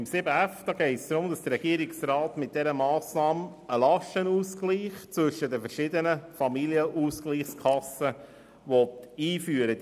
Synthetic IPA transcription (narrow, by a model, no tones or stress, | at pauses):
ɪmsɪbəæfd̪̥ɑːɡɛɪtsd̪ɾʊmd̥̪ɑsd̥̪əɾɛɡ̥iəɾɪksrɑːtmɪt̚d̥ɛɾəmɑːsnɑːm | əlɑʃtənuːskliːχt͡sʋɵʃədəfərʃɪd̪ənəfɑmiliəʔuːskliːχskʰɑsə | ʋɔt̪iːfyːəɾə